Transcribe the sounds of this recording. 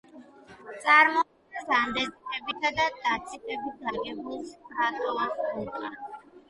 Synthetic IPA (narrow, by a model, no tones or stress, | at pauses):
t̪sʼaɾmɔ | ɛsand̪ɛztʼɛbit̪ʰad̪ad̪̥at̪sʰipʼɛbit̪̚daɾɡɛmulˠspɾat̪ʼɔvasɛt̪ʼa̰